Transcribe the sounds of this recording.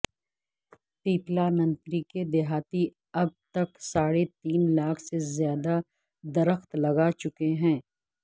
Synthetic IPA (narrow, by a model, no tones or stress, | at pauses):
t̪iːplanɐ̃nt̪ɾiked̪ɪɦaːt̪i | ɐb̚t̪ɐksaːɽet̪iːnlaːkʰsezjaːd̪a | d̪ɐɾəxt̪lɐɡat͡ʃʊkeɦɛ̃ː